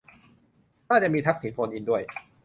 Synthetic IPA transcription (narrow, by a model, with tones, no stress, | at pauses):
naː˥˩t͡ɕa˨˩ʔmiː˧t̪ʰa˦˥k̚siː˩˦npʰo˧nʔiː˧ndu˥˩əj